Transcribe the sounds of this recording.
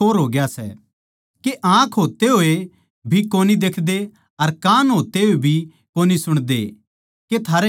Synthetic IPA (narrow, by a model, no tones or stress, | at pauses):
oːɾɦoːɡɪjasɛ̰ | keʔãːkʰɦoːt̪eɦoːe | bʱikoːnid̪eːkʰd̪e | ɐɾkãːnɦoːt̪eɦoebʱi | koːnisʊɽ̃d̪ḛ | ket̪ʰaːɾɛ